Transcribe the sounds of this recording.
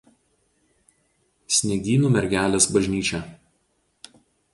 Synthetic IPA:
sʲnʲɛɡʲiːnuːmʲɛɾʲɡʲæːlʲeːsbɐʒʲnʲiːt͡ʃʲɛ

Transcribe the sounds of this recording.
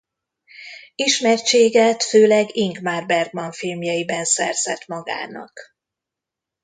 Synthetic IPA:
iʃmɛrt͡ʃeːɡɛt̪føːlɛɡiŋkmaːrbɛrɡmɒɱfilmjɒjibɛnsɛ̰rz̥ɛ̰t̪mɒɡa̰ːnɒ̰k

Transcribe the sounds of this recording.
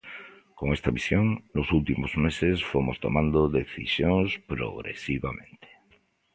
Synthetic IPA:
koŋest̪aβisjoŋnosult̪imozmesesfomost̪o̰mãnd̪oðeθḭsjoŋspɾo̰ɣɾḛsiβamẽnt̪e̥

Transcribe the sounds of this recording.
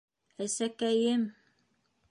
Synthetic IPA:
æsækæjɘm

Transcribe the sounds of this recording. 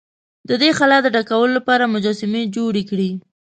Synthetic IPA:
d̪əd̪exalɑd̪əɖakawəlolapɑɾamʊd͡ʒɑsɪmed͡ʒoɽekɽi

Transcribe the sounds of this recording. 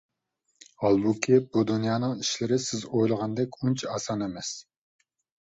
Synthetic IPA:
ɑlˠbukʲʰibud̪unjɑːnɨŋiʃlɪɾɪsɪzojlˠəʁɑnd̪ɛkʲunt͡ʃʰɑɑsɑnemɛs

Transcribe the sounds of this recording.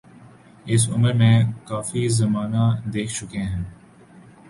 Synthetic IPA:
ɪs̬ʊməɾmẽkaːfizɐmaːnad̪eːkʰt͡ʃʊkeɦɛ̃ː

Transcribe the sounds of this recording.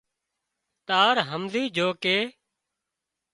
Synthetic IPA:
t̪aːɾɦəmziːd͡ʒʱoːkeː

